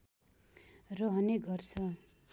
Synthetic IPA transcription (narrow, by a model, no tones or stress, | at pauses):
rʌɦʌneɡʌrt͡sʰʌ